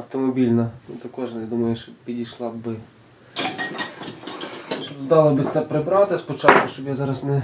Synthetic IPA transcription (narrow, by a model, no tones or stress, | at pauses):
ɐwt̪ɔmɔbʲilʲnɐnut̪ɐkɔʒnjad̪umɐjʊʃt͡ʃɔbpʲidʲijʃlˠɑbɪ | t̪uzd̪ɑlˠɔbɪsʲt̪sɛpɾɪbɾɑt̪ɪspɔt͡ʃɑt̪̚kʊʃt͡ʃɔbjazɑɾɐsnɛ